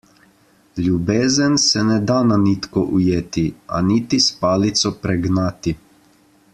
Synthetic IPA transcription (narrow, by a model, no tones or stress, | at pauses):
lʲjubeːzənsɛnɛd̪ananiːt̪kɔʔujeːt̪ia̰nit̪ispaːlit̪sɔpɾɛɡnaːt̪i